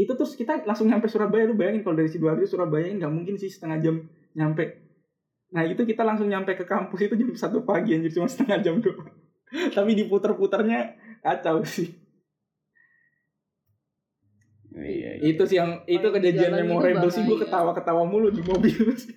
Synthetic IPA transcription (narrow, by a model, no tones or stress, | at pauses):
it̪ut̪ɾʊskit̪alaŋsʊŋɲampajsuɾahbajalʊhbajaŋɪnkalodaɾesiduaɾit̪usuɾabajaɪnɡaʔmuŋkɪnsɪhsə̥t̪əŋad͡ʒam | ɲampɛ | nahit̪ukit̪alaŋsʊŋɲampakəkampʊsit̪ud͡ʒadipəsat̪upaɡiand͡ʒadit͡ʃumasə̥t̪əŋad͡ʒamdʊ | t̪apidiput̪ərput̪ərɲakat͡ʃawsɪh | it̪usɪhjaŋit̪ukəd͡ʒad͡ʒianmemoɾabəlsɪduakət̪awakət̪awamulʊdimobɪlsɪ